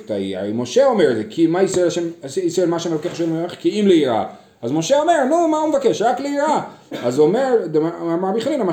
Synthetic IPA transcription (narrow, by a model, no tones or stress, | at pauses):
t̪a̰ḭa̰moʃeomeʁezekʰimaisaelaʃemsisaelmaʃeameokeχʃelmeχkiimleiɾa̰ | azmo̞ʃeome̞ʁnumaumevakeʃʁakleiɾaazomeʁdeaamaʁbiχlinama